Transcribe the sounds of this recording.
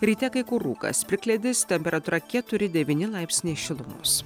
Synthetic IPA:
ɾʲiːt̪ʲɛkɐɪkʊɾuːkɐ̰spʲlʲɪklʲɛd̪ʲɪst̪ʲɛmʲpʲɛɾɐt̪uːɾɐkʲæt̪ʊɾʲɪd̪ʲɛʋʲiːnʲɪlˠɑɪpʲsʲnʲeːʃʲɪlˠʊmʊ̰s

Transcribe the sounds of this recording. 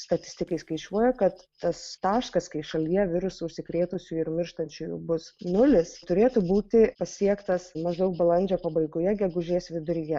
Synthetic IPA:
st̪ɐt̪ʲɪsʲt̪ʲɪkɐɪskɐɪt͡ʃʲuɔjɛkɐt̪ːɐst̪ɑːʃkɐskɐɪʃɐlʲijɛʋʲɪɾʊsʊʊʃʲsʲɪkɾʲeːt̪ʊsʲʊɪɾmʲɪɾʃt̪ɐnʲt͡ʃʲʊjʊ̰bʊsnʊlʲɪst̪ʊɾʲeːt̪ʊbuːt̪ʲɪpɐsʲiɛkt̪ɐsmɐʒd̪ɐʊk̚bɐlˠɐnʲd͡ʒʲoːpɐbɐɪɡoːjɛɡʲɛɡʊʒʲeːsʋʲɪd̪ʊɾʲɪjɛ

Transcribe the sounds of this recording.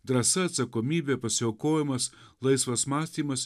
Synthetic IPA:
d̪ɾɐsɐɐt̪sɐkoːmʲiːbʲeːpɐsʲɪoːkoːjɪmɐs | lˠɐɪsʋɐsmɑːsʲt̪ʲiːmɐs

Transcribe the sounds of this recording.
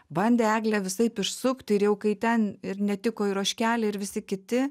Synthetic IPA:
bɐnʲd̪ʲeːæːɡlʲɛʋʲɪsɐɪpɪʃsʊkt̪ʲɪɾjɛʊkɐɪt̪ʲɛnɪɾnʲɛt̪ʲɪkoːɪɾoːʃʲkʲæːlʲeːɪɾʋʲɪsʲɪkʲɪt̪ʲɪ

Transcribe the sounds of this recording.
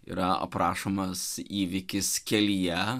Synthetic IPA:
ḭɾɐɐ̰pɾɑːʃomɐsiːʋʲɪkʲɪskʲɛlʲijɛ

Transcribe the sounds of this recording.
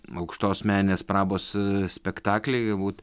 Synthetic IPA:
ɐʊkʃt̪oːsmʲæːnʲnʲeːspɾɑːboːssʲpʲɛkt̪ɑːklʲɛɪɡɐlˠbuːt̪

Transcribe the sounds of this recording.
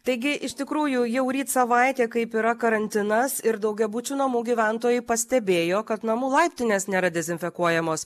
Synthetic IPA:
t̪ɐɪɡʲɪʔɪʃt̪ʲɪkɾuːjʊjɛʊɾʲiːt̪sɐʋɐɪt̪ʲeːkɐɪpiːɾɐkɐɾɐnʲt̪ʲɪnɐsɪɾd̪ɐʊɡʲɛbuːt͡ʃʲuːnɐmuːɡʲiːʋʲɛnt̪oːjʊɪpɐsʲt̪ʲɛbʲeːjoːkɐt̪nɐmuːlˠɐɪpʲt̪ʲɪnʲeːsnʲeːɾɐd̪ʲɛzʲɪnʲfʲɛkuɔjɛmoːs

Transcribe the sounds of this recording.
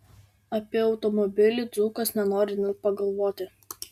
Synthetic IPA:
ɐpʲiɛɒʊt̪ɔmɔbʲɪlʲɪˑd̪zuːkɐsnʲɛnoːɾʲɪnʲɪpɐɡɐlˠʋoːt̪ʲɪ

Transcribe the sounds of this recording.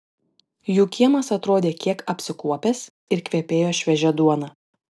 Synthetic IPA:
juːkʲiɛmɐsɐt̪ɾoːd̪ʲeːkʲiɛkɐpʲsʲɪkuɔpʲɛs | ɪɾkʋʲiɛpʲeːjoːʃʲʋʲɛʒʲɛd̪uɔnɐː

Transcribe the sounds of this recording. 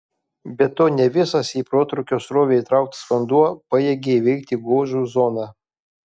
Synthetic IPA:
bʲɛt̪oːnʲɛʋʲɪsɐsiːpɾoːt̪ɾʊkʲoːsɾoːʋʲeit̪ɾɑˑʊk̚t̪sʋɐnd̪uɔpɑjɛɡʲeʋʲɛɪkt̪ʲiːɡoːʒuːzɔnɑ

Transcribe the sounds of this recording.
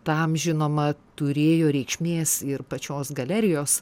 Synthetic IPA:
t̪ɐmʒʲɪnoːmɐt̪ʊɾʲeːjoːɾʲɛɪkʃʲmʲeːsɪrpɐt͡ʃʲoːsɡɐlʲɛɾʲɪjoːs

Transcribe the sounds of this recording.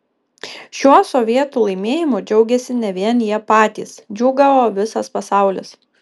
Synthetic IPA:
ʃʲuɔsɔʋʲiɛt̪uːlˠɐɪmʲeːjɪmʊd͡ʒʲɛʊɡʲɛsʲɪnʲɛʋʲiɛnjiɛpɑːt̪ʲḭːsd͡ʒʲuːɡɐʋoːʋʲɪsɐspɐsɑˑʊlʲɪ̰s

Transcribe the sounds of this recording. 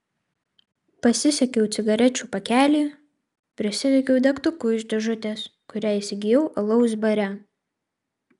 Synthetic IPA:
pɐsʲɪsʲɛkʲɛʊt̪sʲɪɡɐɾʲɛt͡ʃʲuːpɐkʲæːlʲiː | pʲɾʲɪsʲɪʋʲɛkʲɛʊd̪ʲɛkt̪ʊkʊɪʒʲd̪ʲɛʒʊt̪ʲeːskʊɾʲæːɪsʲɪɡʲɪjɛʊʔɐlˠɐʊsʲbɐɾʲɛ

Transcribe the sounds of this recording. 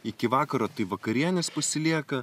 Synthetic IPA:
ɪkʲɪʋɑːkɐɾoːt̪ɐɪʋɐkɐɾʲiɛnʲɛspɐsʲɪlʲiɛkɐ

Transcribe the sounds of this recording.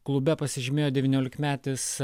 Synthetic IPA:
klˠʊbʲɛpɐsʲɪʒʲɪmʲeːjoːd̪ʲɛʋʲiːnʲoːlʲɪkmʲæːt̪ʲɪs

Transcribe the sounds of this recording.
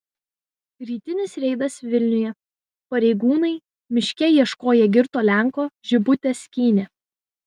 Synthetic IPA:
ɾʲiːt̪ʲɪnʲɪsɾʲɛɪd̪ɐsʋʲɪlʲnʲʊjɛ | pɐɾʲɛɪɡuːnɐɪ | mʲɪʃʲkʲɛjiɛʃkoːjɛɡʲɪɾt̪oːlʲæŋˑkoːʒʲɪbʊt̪ʲɛsʲkʲiːnʲɛ

